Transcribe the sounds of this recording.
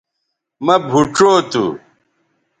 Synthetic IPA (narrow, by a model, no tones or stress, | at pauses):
mɐbʱuʈ͡ʂoːt̪ṵ